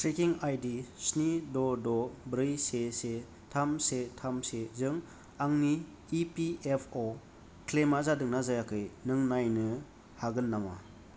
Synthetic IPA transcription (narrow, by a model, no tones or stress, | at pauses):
tɾikiŋajdisnidɔdɔbɾɯjsese | tʰamsetʰamsezɯŋ | aŋniː | piepʰɔ | kʰlemazadɯŋnazajakʰɯjnɯŋnajnɯ | haɡɯnːama̰